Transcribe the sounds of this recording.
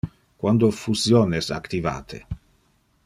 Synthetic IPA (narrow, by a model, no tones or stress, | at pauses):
kwand̪ofuzjoːnesa̰kt̪iva̰ːt̪ʰḛ